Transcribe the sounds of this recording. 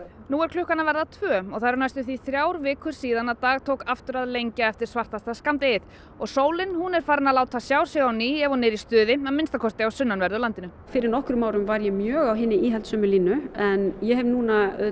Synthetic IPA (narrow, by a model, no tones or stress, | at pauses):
nuːɛɾkʰlʏhkanavɛɾðat̪ʰvœːɔɣθaɾɾnajst̪ʏθiθɾjaːwɾvɪːkʰʏɾ̥siːðanaðt̪aːɣt̪ʰoːwkaft̪ʏɾaðlejɲcaɛft̪ɪ̥svar̥t̪ast̪askamt̪ɪɪð | ɔɣsoːwlɪnhunɛɾ̥faːɾɪnalaːwt̪ʰasjaːwsjɛɣawniːɛvɔnɪːɾist̪ʏːðɪaðmɪnst̪akʰɔst̪ɪawsʏnːanvɛɾðʏlant̪ɪnʏ | fɪːɾɪɾnɔhkɾʏmaːwɾʏmvaɾjɛmjœːɣawɦɪnːɪiːɦɛlt̪sœːmʏliːnʏɛnjɛɦɛvnuna